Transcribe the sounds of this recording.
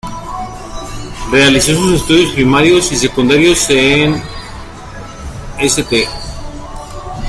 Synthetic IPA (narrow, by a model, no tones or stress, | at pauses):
re̞aliso̞suse̞st̪uðjo̞spɾimaɾjo̞sis̬e̞kund̪aɾjo̞sen | eset̪e